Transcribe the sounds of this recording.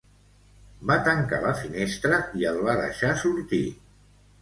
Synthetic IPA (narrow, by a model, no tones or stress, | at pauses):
bat̪əŋka̰ləfinest̪ɾəiəlˠβaðə̰ʃasuɾt̪ḭ